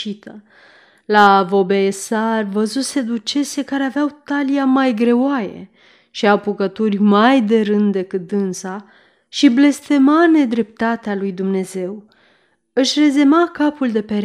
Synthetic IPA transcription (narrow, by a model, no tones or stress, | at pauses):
it̪ʰə | lavo̞beesarvəzuse̞d̪ut͡ʃe̞se̞kaɾe̞aveawt̪aliamajɡɾe̞wajḛ | ʃiawpukət̪urʲmajd̪e̞ɾɨnd̪d̪e̞kɨt̪̚d̪ɨnsa | ʃible̞st̪e̞mane̞d̪ɾe̞p̚t̪at̪ealujd̪umne̞ze̞w | ɨʃre̞ze̞makapuld̪e̞peɾ